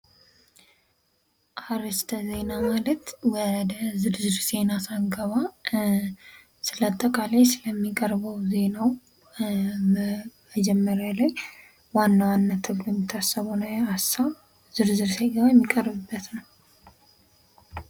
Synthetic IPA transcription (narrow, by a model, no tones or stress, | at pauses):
ʔaɾɨst̪ʰəze̞namalət̪wɔd̪əzɨɾzɨɾz̥e̞nasaŋɡəβa | sɨlat̪ʼːəkʼalasɨləmːikʼəɾbəwze̞naw | məd͡ʒɛmːəɾjalaj | wanːawanːat̪ʰɨβlujɛmːɪt̪ʰːasːəβonəwjɛasaβ | zɨɾzɨɾseɡəβajɛmːikʼəɾbɨbːət̪nəw